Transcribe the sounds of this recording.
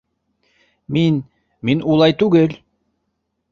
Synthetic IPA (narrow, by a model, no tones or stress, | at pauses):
min | minulˠɑjt̪ʉɡɘl